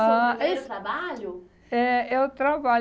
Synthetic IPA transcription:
aet̪ɾabaʎʊ | ɛewt̪ɾaba

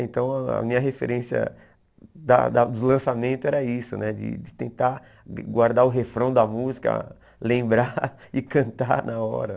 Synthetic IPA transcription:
ẽnt̪ɐ̃w̃ɐa̰mĩɲɐɦefḛɾẽsiɐ̰ | d̪ɐ̰d̪ɐd̪ʊlɐ̃samẽnt̪ʊɛɾɐisʊnɛd͡ʒɪ̰d͡ʒɪt̪ẽnt̪a | ɡwaɾd̪aɾʊɦefɾɐ̃w̃d̪ɐmuzikɐ̰ | lẽmbɾaɪkɐ̃nt̪anaɔ̰ɾɐ

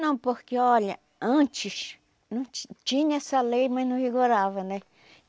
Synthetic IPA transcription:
nãw̃poɾkeɔʎa | ãnt͡ʃiʃ | nũt͡ʃiɲesalejmãnũfiɡuɾaβanẽ

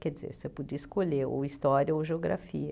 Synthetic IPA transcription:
kɛd͡ʒizḛɾsepɔd͡ʒiɐiskoleo̰ist̪ɔɾʲiɐoʒeoɡɾa̰fiɐ

